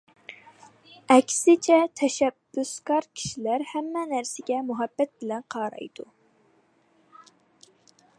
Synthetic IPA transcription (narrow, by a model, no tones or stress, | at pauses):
ɛkʲsɪt͡ʃʰɛt̪ʰɛʃɛbːʊskɑɾkʲʰi̥ʃilæɾhɛmːɛnæɾsɪɡʲɛmuɦɛbːɛt̪̚bɪlɛnqʰɑːɾɑ̰jd̪u